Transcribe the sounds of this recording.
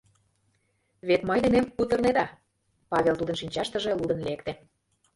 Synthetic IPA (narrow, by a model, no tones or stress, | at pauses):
βet̪mɤjd̪enemkut̪ə̆rned̪ɑ | pɑβʲelt̪ud̪ə̆nʃinʲt͡ɕɑʃt̪ə̆ʒĕlud̪ə̆nlekt̪ĕ